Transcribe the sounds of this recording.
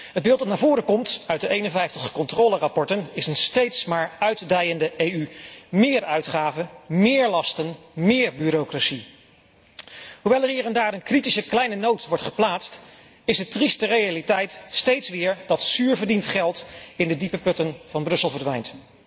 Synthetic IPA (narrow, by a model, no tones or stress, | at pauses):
ɦəd̚bɪːlˠt̚dɑtnaːvʊːɾəkɔmtœɥt̚dəʔejnənvɛjftəχkɔntroːlərɑpɔɹtənɪsənstejtsmaːɹœɥddɛjəndəʔejymɪːɹœɥtχaːvəmɪːɹlɑstənmɪːɹbyːɾokrasi | ɦuʋɛlˠəɹɦiːɹɛndaːɾənkritisəklɛjnənowtʋɔɹtχə̥plaːtst | ɪsdətristərejalitɛjtstejtsʋɪːɹdɑtsyːɹvəɹdintχɛlˠtɪndədipəpɵtənv̥ɑnbrɵsəlˠvəɹdʋɛjnt